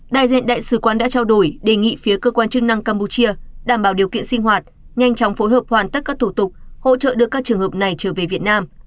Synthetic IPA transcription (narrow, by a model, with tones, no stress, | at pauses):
ɗa̰ː˧˨jzḭ˧˨ənɗa̰ː˧˨jsɨ˧˩kwaː˧nɗa̰ː˧˥t͡ɕaː˧wɗo˧˩jɗe˨˩ŋḭ˧˨fi˨˦əkəː˧kwaː˧nt͡ɕɨ˦˥k̚na˧ŋkaː˧mpu˧t͡ɕi˧əɗaː˧˩mɓaː˧˩wɗi˨˩əwkḭ˧˨ənsï˧ŋ̟ɦwaː˨˩t̚ | ŋa˧jŋ̟t͡ɕɔ˨˦wŋ͡mfo˨˦jɦəː˨˩p̚hwaː˨˩nt̪ə˦˥t̚kaː˦˥k̚t̪ʰu˧˩t̪ʊ˨˩k͡p̚ho̰˧˥t͡ɕə̰ː˧˨ɗɨ˨˩əkːaː˦˥k̚t͡ɕɨ˨˩əŋhəː˨˩p̚na˨˩jt͡ɕəː˧˩ve˨˩vi˨˩ət̚naː˧m